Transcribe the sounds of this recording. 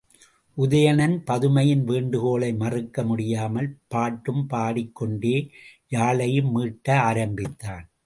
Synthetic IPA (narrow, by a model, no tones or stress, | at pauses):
ʔʊðɐjɐnɐnpɐðɯmɐjɪnʋeːɳɖɯkoːlɐɪmɐrɯkːɐmʊɽɪjaːmɐlpaːʈːɯmpaːɽɪkːɔɳɖeːjaːlɐjɯmːiːʈːɐaːɾɐmbɪt̪ːaːn